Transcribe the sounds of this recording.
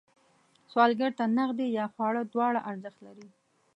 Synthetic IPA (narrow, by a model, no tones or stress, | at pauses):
swɑlɡaɾt̪anaɣd̪ejɑxwɑɽəd̪wɑɽaʔaɾzəxt̪laɾi